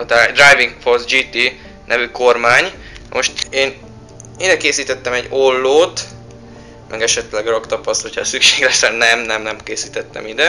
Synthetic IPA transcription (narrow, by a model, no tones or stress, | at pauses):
od̪ad̪rajviŋkforsd͡ʒiːt̪iː | nʔɛvyko̞rmaːɲ | nɒmoʃt̪eːn | id̪ɛkeːsiːt̪ɛt̪ːɛmɛɟo̞lːoːt̪ | mʔɛɡɛʃɛt̪lɛɡrokt̪ɒpɒsho̞cʰɒ̰sykʃeːɡlɛsɛnɛmnɛmnɛmkeːsiːt̪ɛt̪ːɛ̰mid̪ɛ